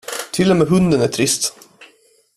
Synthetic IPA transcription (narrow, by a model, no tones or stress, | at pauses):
t̪ʰɪlːɛmɛːɦɵnd̪ənæʈʰɾɪst̪